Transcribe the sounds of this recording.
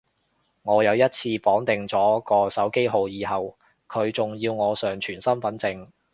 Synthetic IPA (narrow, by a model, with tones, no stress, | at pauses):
ŋɔː˨˧jɐ˨˧wjɐ˥t̚t͡sʰiː˧pɔː˨˥ŋt̪ɪ˨ŋt͡sɔː˨˥kɔː˧sɐ˨˥wke˥jɦo˨wjiː˨˧ɦɐ˨w | kʰɵ˨˧ɥt͡sʊ˨ŋjiː˧wŋɔː˨˧sœː˨ŋt͡ʃʰyː˨˩nsɐ˥mfɐ˨˥nt͡sɪ˧ŋ